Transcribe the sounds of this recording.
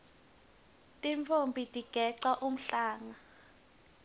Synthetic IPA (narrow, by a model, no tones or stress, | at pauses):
tʼiɱfʰombʱitʼiɡ̥ʱɛǀaʔum̩ɬaːŋa